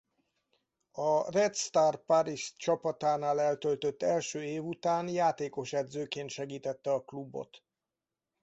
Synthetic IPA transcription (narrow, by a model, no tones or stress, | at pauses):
ɒrɛt̪st̪aːrpaɾiʃt͡ʃɒpɒt̪aːnaːlɛlt̪ølt̪ø̞t̪ːɛlʃøːeːvut̪aːnjaːt̪eːko̞ʃɛd̪zøːkeːnt̪ʃɛɡiːt̪ɛt̪ːɛɒklubo̰t̪